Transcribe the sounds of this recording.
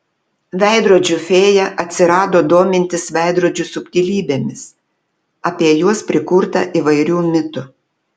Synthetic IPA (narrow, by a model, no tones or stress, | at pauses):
ʋʲɛˑɪd̪ɾoːd͡ʒʲʊfʲeːjɛʔɐt̪ʲsʲɪɾɑːd̪oːd̪oːmʲɪnʲt̪ʲɪsʋʲɛˑɪd̪ɾuɔd͡ʒʲʊsʊpʲt̪ʲilʲiːbʲeːmʲɪs | ɐpʲiɛjuɔspʲɾʲɪkʊɾt̪ɐ̰ʔiʋɐɪɾʲuːmʲɪt̪ʊ